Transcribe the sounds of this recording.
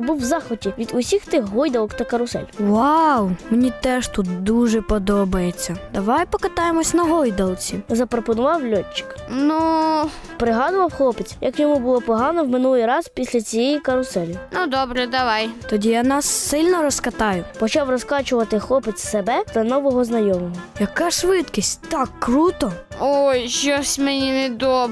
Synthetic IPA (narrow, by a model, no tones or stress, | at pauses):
buwzɑxɔtʲiʋʲid̪ʊsʲixt̪ɪxɦɔjd̪ɐlˠɔkt̪ɐkɐɾʊsɛ̰lʲwawmenʲit̪ɛʃt̪ut̪d̪uʒɛpɔd̪ɔbɐjet͡sʲːɐd̪ɐʋɑjpɔkɐt̪ɑjemɔsʲnɐɦɔjd̪ɐlˠt͡sʲizɐpɾɔpɔnʊʋɑwlʲɔt͡ʃːɪ̥knu | pɾɪɦɑd̪ʊʋɐwxlˠɔpet͡sʲjɐkjɔmubʊlˠɔpɔɦɑnɔwmɪnulˠɪjɾɑzpʲisʲlʲɐt͡sʲijejikɐɾʊsɛlʲinud̪ɔbɾɛd̪ɐʋɑjt̪ɔdʲijanɑsːɪlʲnɔɾɔskɐt̪ɑjʊpɔt͡ʃɑwrɔskɑt͡ʃʊʋɐt̪ɪxlˠɔpet͡sʲsebɛt̪ɐnɔʋɔɦɔznɐjɔmɔɦɔjɐkɑʂʋɪt̪kʲisʲtʲt̪ɑkːɾut̪ɔojʃɔsʲmɛnʲinɛd̪ɔb